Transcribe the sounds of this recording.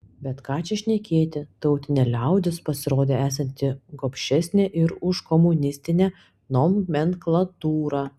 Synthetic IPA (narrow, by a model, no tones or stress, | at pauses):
bʲɛt̪kɑːt͡ʃʲɛʃʲnʲɛkʲeːt̪ʲɪt̪ɐʊt̪ʲɪnʲɛlʲɛˑʊd̪ʲɪspɐsʲɪɾoːd̪ʲeːæːsɐnʲt̪ʲɪɡoːpʲʃʲɛsʲnʲeʔɪɾʊʃkɔmʊnʲɪsʲt̪ʲɪnʲæ | nomːʲɛŋklˠɐt̪uːɾɑː